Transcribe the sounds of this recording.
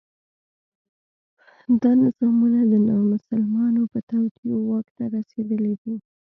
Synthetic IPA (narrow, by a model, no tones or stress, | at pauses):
d̪ɑnɪz̥ɑmunad̪ənɑmʊsalmɑnopət̪awt̪iowɑkt̪aɾased̪əled̪i